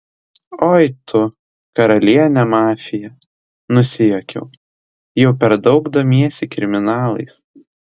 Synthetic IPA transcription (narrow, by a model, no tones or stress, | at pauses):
oːjt̪ʰʊ | kɐɾɐlʲiɛnʲɛmɑːfʲɪjɛ | nʊsʲɪjɛkʲɛ̰ʊ | jɛʊpʲɛɾd̪ɒʊɡd̪oːmʲiɛsʲɪkɾʲɪmʲɪnɑːlˠɐ̰ɪs